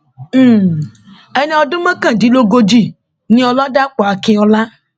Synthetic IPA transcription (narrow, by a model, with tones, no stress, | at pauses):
e˦nĩ˦ɔ˨do˦mẽ˦kã˦˨di˨lo˦ɡo˦d͡ʒi˦˨ | nĩ˦ɔ˨lɔ˦da˦k͡pɔ˨a˨ke˨ɔ˨la˦